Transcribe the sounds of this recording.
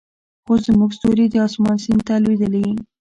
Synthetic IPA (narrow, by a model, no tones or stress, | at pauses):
xoszəmuɡst̪oɾed̪əɑsmɑnsint̪alwed̪əlii